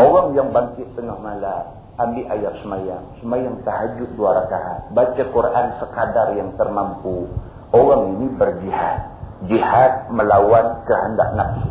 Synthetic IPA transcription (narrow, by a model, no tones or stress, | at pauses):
oɣaŋjaŋbaŋkɪʔt̪əŋahmala | ambiʔajarsəmajaŋsəmajaŋt̪aɦad͡ʒʊduaɾakaʔbat͡ʃakuɾaʔansəkadarjaŋt̪ərmampu | owaŋinibərd͡ʒiha̰t̪̚d͡ʒihat̪̚məlawankəɦənda̰ʔnap̚si̥